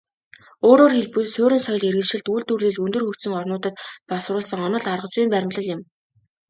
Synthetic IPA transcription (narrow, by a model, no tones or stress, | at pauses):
oːɾoːrxeɮpujsʊːɾɘ̆nsœj̆ɮerɣɘ̆nʃɘ̆ɮt̪uːɮt̪urɮiːɮɵnt̪ɵ̆rxɵkt̪sɘ̆ŋɔrnʊːt̪ə̆t̪pɔsrʊːɮsə̆ŋɔnɞ̆ɮarʁə̆t͡sʊiːmpæɾʲɪ̆mɮɞ̆ɮɪ̆m